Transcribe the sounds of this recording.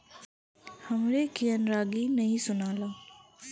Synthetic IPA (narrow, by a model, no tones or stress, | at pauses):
hɐmɾekijənɾaːɡinɐɦĩsʊnaːlaː